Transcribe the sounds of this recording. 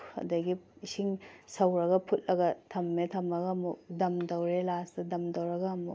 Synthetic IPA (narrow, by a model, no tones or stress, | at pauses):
ɐ̰dɐɡiisiŋsɐwɾɐɡɐpʰut̚lɐɡɐtʰɐmːetʰɐmɐɡɐmudɐmdɐwɾelastɐdɐmdɐwɾɐɡɐmṵ